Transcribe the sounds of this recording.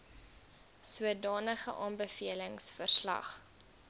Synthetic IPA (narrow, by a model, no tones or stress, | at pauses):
suədɑːnəχəʔɑːnbəfiələŋsfərslɐ̰χ